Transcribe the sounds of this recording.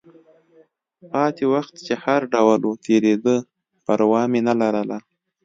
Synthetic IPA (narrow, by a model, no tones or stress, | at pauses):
pɑt̪ewaxt̪t͡ʃehaɾɖawlot̪ʰeɾed̪ə | pəɾwɑmenalaɾəla